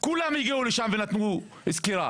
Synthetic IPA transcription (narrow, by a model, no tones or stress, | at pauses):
kulamjiɡeuleʃamvenat̪mu | iskeʁa̰